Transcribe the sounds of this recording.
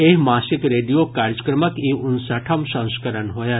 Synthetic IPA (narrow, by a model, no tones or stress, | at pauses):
eɦmaːsɪkɾeɖijokaɾd͡ʒəkɾəməkiʔʊnsəʈʰəmsə̃w̃skəɾənɦoja